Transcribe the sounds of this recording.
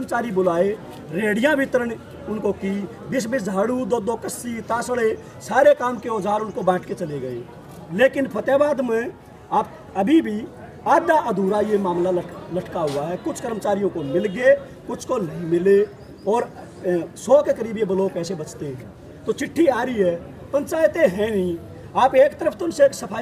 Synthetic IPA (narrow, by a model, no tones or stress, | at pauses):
mt͡ʃaːɾibʊlaːe | ɾeːɽijãbɪt̪ɾən | ʊnkoki | bɪsbɪsaːɽud̪oːd̪oːkəsːit̪aːsɽe | saːɾekaːmkeɔːd͡ʒʱaːɾʊnkobɛ̃ːʈʰket͡ʃɐleɡəḛː | leːkɪnpʰət̪jaːbaːd̪mẽ | aːp̚ | əbʱibʱi | aːd̪aʔəd̪ʱuːɾajemaːmlaləʈʰkaɦʊaɦɛkʊt͡ʃʰkəɾmət͡ʃaːɾijõkomɪlɡe | kʊt͡ʃʰkonəɦĩmɪle | ɔːɾ | sɔːkekəɾiːbjebəloːpɛːsebət͡ʃt̪eɦɛ̃ː | t̪ot͡ʃɪʈʰːiaːɾiɦɛː | pə̃nt͡ʃaːjet̪eɦɛ̃nĩ | aːpeːkt̪əɾəpʰt̪oʊnseeːksəpʰaː